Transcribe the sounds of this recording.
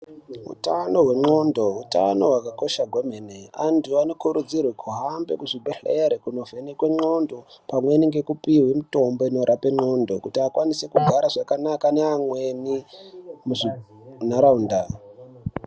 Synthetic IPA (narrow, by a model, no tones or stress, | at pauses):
ṵtano̞ɦwe̞ŋ͡ǃo̞ndo̞ɦuta̰no̞wakako̞ʃaɡʱwemeneanduano̞kuɾud͡zirwekʰuɦambe̞kuʐibʱeɬeɾekuno̞venekwe̞ŋ͡ǁo̞ndo̞pamweniŋɡe̞kupiɦwemito̞mbo̞ino̞ɾʔape̞ŋ͡ǃo̞ndo̞kutiakwanisekuɡʱaɾaʐakanakaneamwe̞ni | muʐi | naɾaunda